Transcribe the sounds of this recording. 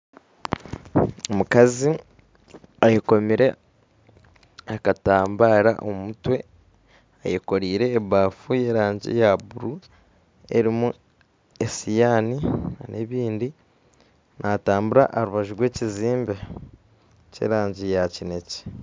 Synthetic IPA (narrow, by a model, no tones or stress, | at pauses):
omukazi | ajeko̞miɾe̞ | akataːmbaːɾa̰ʔo̰mmutwe̞ | a̰jeko̞ɾiːɾe̞ːβaːfuje̞ɾaːɲɟḭjaβuɾu | e̞̰ɾimu | e̞sijaːninʔe̞βiːndi | nʔataːmbuɾa̰ʔaɾuβaʒuɾwe̞ːciziːmbe | cḛːɾaːɲɟijacine̞ci̥